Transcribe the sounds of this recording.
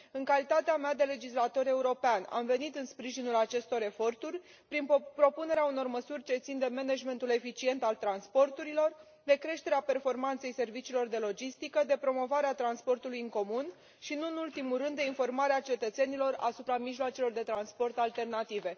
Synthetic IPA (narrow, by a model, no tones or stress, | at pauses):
ɨŋkalit̪at̪eamead̪e̞le̞d͡ʒislat̪o̞ɾe̞uɾo̞peana̰mve̞nit̪ɨnspɾiʒinulat͡ʃe̞st̪o̞ɾe̞fo̞rt̪urʲ | pɾinpɾo̞pune̞ɾeauno̞rməsurʲt͡ʃe̞t̪sind̪e̞meneʒme̞nt̪ule̞fit͡ʃie̞nt̪alt̪ɾanspo̞rt̪uɾilo̞r | d̪e̞kɾe̞ʃt̪e̞ɾeape̞rfo̞rmant̪se̞jse̞rvit͡ʃiːlo̞rd̪e̞lo̞d͡ʒist̪ikəd̪e̞pɾo̞mo̞vaɾeat̪ɾanspo̞rt̪ulujɨŋko̞mun | ʃinuɨnult̪imulrɨnd̪ːe̞info̞rmaɾeat͡ʃe̞t̪ət̪se̞nilo̞ra̰supɾamiʃloat͡ʃelo̞rd̪e̞t̪ɾanspo̞rt̪alt̪e̞rnat̪ive̞